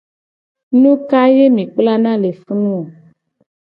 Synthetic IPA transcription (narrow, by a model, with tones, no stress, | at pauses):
nũ˦ka˦je˦mĩ˨k͡pla˦nã˦le˨fu˦nũ˦˨